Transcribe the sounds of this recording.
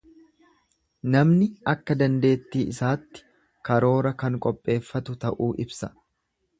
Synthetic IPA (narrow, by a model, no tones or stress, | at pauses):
nɐmnɪɐkːɐd̪ɐnd̪e̞ːt̪ːiːʔɪsaːt̪ːɪ̥ | kɐɾo̞ːɾɐkɐŋkʼɔpʼːe̞ːfːɐt̪ʊt̪ɐʔuːʔɪbsɐ̥